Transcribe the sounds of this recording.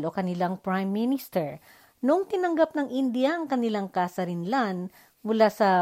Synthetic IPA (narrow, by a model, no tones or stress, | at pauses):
lʔo̞kɐnɪlaŋpɹajmːɪnɪst̪ɛɹ | noʔoŋt̪ɪnɐŋɡap̚nɐŋʔɪnd̪ɪjaʔɐŋkɐnɪlaŋkaːsɐɾɪnlan | mʊlasɐ